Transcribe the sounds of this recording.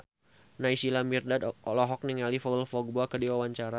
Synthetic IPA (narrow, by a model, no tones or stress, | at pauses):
naisilamirdadɔlɔɦɔk̚niŋalifɔɡəlfɔɡ̚boakədiwawaɲt͡ʃaɾa